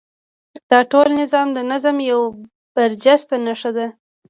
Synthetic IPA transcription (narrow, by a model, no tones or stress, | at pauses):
d̪̥ɑʈolnɪzɑmd̪ənazamjaw | b̥aɾd͡ʒast̪anaʂad̪a